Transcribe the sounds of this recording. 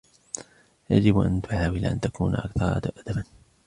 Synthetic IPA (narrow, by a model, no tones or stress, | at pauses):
ja̰d͡ʒɪbʔa̰nt̪ʊʕaːwɪlʔa̰nt̪akṵːnʔa̰kθɑɾˤɑ̰t̪ʔad̪̥aban